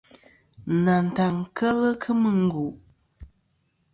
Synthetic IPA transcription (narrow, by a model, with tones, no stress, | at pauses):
na˨n̩˨ta˨ŋkʰə˦lə˦kʰɨ˦mɨ˦ŋ̩˦ɡu˨ʔ